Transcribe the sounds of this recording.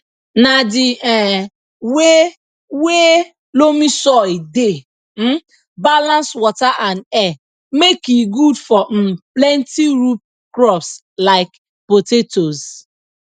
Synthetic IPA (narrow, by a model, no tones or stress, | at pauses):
nadɪɛ | we | we | lomisɔlde | m̩ | balãnswɔtaʔanɛ | mekiɡudfɔm̩plɛntiɾup̚ | kɾɔps | laɪk | potetoz